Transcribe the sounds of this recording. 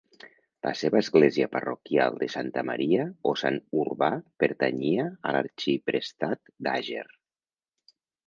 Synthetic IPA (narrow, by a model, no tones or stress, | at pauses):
lʔa̰seβəːzɣleziəparokja̰lˠd̪əsant̪əmaɾiaosa̰nurβapeɾt̪aɲiaəlaɾt͡ʃipɾest̪at̪d̪aʒer